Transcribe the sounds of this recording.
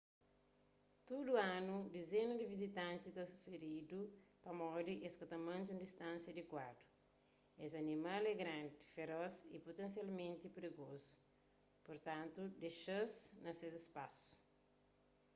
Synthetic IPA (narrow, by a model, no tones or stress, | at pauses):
t̪uduãnud̪ezenɐdivizit̪ãnt̪it̪ɐsfeɾidupɐmɔd̪iʔeskɐt̪ɐmãnt̪ũnd̪ist̪ãnsjɐd̪ikwadu̥ | ezɐnimalɛɡɾãndifeɾɔzipot̪ẽns̬jalmẽnt̪ipɾiɡozu̥ | poɾt̪ãnt̪ud̪eʃɐznɐsezispasu̥